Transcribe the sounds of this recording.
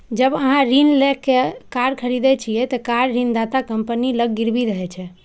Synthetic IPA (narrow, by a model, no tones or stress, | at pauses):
d͡ʒəbəɦãɾinlɛkːekaɾkʰəɾid̪ɛt͡ʃʰiɛt̪ɔkaɾɾind̪at̪akəmpəniləɡːiɾbiɾəɦɛt͡ʃʰɛ